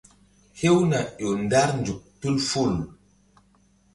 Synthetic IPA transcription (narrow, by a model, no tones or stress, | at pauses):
hewnaʄɔndaɾnd͡ʒuk̚tulful